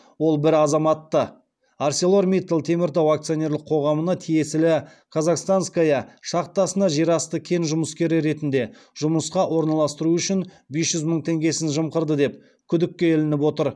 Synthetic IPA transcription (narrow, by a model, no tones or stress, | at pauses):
wo̞lˠbɪɾɑzɑmɑt̪ːə | aɾse̞lˠo̞ɾmʲit̪lˠt̪ʰe̞mɪɾt̪ɑwakt̪sɨjonʲe̞ɾlɪqʰo̞ʁɑmənɑt̪ʰije̞sɪlɪ | kʰɑzɑqst̪anskajɑʃɑqt̪ːɑsənɑʒiɾɑst̪əkʲʰe̞nʒʊməskʲe̞ɾɪɾe̞t̪ɪnd̪e̞ | ʒ̥ʊməsqɑʔwo̞ɾnɑlˠɑst̪əɾuʏʃɪn | be̞sʒ̥ʏzməɴt̪ʰe̞ŋɡʲe̞sɪnʒəmqəɾd̪əd̪e̞p̚ | kʲʰʏd̪ɪk̚ʲːe̞ɪlɪnɪpwo̞t̪əɾ